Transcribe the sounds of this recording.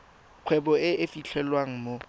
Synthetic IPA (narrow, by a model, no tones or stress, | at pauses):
q͡χʰwɛbɔɪʔɪfiɬʰɛlwaŋ̩mo